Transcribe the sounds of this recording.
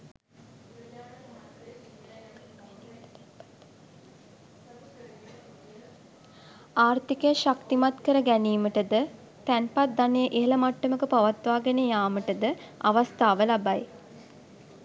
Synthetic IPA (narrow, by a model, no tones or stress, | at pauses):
aːrt̪ikəjəʃakt̪imat̪kəɾəɡæniːməʈəd̪ə | t̪ænpat̪̚d̪anejəʔeɦeləmaʈːəməkəpaʋat̪ʋaːɡənejaːməʈəd̪əaʋast̪aːʋəlabaj